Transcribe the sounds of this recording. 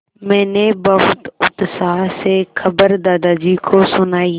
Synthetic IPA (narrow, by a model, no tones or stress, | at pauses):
mɛ̃ːnebəɦʊt̪ʊt̪saːɦsexɐbəɾd̪aːd̪aːd͡ʒiːkʰosʊnaːi